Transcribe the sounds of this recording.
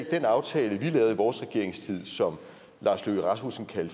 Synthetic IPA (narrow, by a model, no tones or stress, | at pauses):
ɡ̥̚d̥enɑ̈ʊt͡sʰɛːləʋilɛʊiʋɒːsʁɛɡ̥e̝ɐe̝ŋst͡sʰið̰ˠsɒ̽m | lʔɑ̈ːsløʁɑ̈smusn̩kʰæl